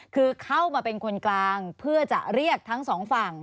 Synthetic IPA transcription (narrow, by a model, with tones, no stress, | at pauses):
kʰɯː˧kʰa˥˩wmaː˧pe˧nkʰo˧nklaː˧ŋpʰɯ˥˩ɐt͡ɕa̰˨˩ʔɾi˥˩ək̚t̪ʰa˦˥ŋsɔː˩˦ŋfa˨˩ŋ